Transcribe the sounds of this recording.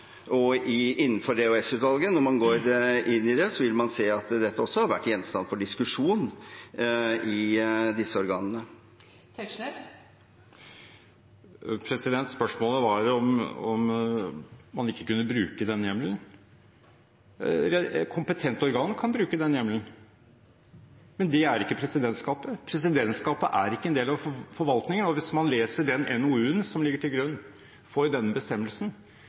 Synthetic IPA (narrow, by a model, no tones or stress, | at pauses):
ɔɪʔɪnːənfɔɾɖɛʉɛsʉːt̪ʋɑlɡənɔɾmɑnɡoːɾɪnːɪd̪ɛsɔʋɪlmɑnseːɑt̪d̪ɛt̪ːəɔsːɔhɑɾʋæʈːjɛnst̪ɑnfɔɖɪskʉʂuːn | ʔɪd̪ɪsːəɔɾɡɑːnənə | t̪ʰɛkʂnɛɾ | pʰɾɛsɪd̪ɛnt̪spœʂmoːləʋɑɾɔmɔm | mɑnɪkːə̥kʉnːəbɾʉːkəd̪ɛnjɛmlən | ɾɛkʰʊmpət̪ʰɛnt̪ɔɾɡɑːnkʰɑnbɾʉːkəd̪ɛnjɛmlən | mɛnd̪ɛæɾɪkːəpʰɾɛsɪd̪ɛnt̪skɑːpəpʰɾɛs̬ɪd̪ɛnt̪skɑːpəʔæɾɪkːəɛnd̪eːlɑʋfɔɾʋɑlt̪nɪŋənɔʋɪsmɑnleːsəɖɛnʔɛnʊʉːənsɔmlɪɡːəʈʰɪlɡɾʉnː | fɔɾd̪ɛnbəst̪ɛmːəlsn̩